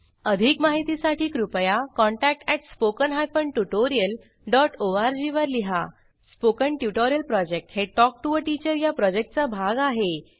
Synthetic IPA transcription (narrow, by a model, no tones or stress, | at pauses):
əd̪ʱikmaɦit̪isaʈʰiːkɾupjakɔ̃ɳʈæk̚ʈɛʈspokənɦapəɳʈjuʈoɾijəl | ɖɔʈoʋaɾd͡ʑiʋəɾliɦa | spokəɳʈjuʈoɾjəlpɾɔd͡ʑek̚ʈheʈɔk̚ʈuəʈit͡ɕəɾjapɾɔd͡ʑek̚ʈ̚t͡sabʱaɡaɦe